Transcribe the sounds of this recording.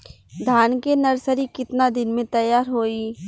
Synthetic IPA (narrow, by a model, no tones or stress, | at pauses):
d̪ʱaːnkenɐɾsəɾikɪt̪nad̪ɪnmẽt̪ɐjːaːɾɦoːi